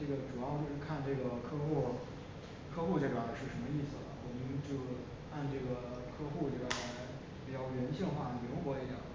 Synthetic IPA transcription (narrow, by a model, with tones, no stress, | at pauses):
ʈ͡ʂɤ˥˩ɡə˩ʈ͡ʂu˨˩jɑ˥˧ʊt͡ɕo˥˧˩kʰa˥˧nʈ͡ʂɤ˥˩ɡə˩kʰɤ˥xu˥˩ | kʰɤ˥xu˥˧ʈ͡ʂɤ˥˩ɡa˨˧˩ʂɻ̩˥˩ʂə˧˥nmə˧i˥˩sɹ̩˩lɐ̰˩wɔ˨˩mə˦nt͡ɕjo˥˧ʊ | a˥˧nʈ͡ʂɤ˥˩ɡə˩kʰɤ˥xu˥˩ʈ͡ʂɤ˥˩ɡa˨˩˥ | pi˨˩t͡ɕjɑ˥˩ʊɻə˧˥nɕi˥˧ŋxwa˥˩lji˧˥xwɔ˧˥i˧˥jɑ̰˨˩˦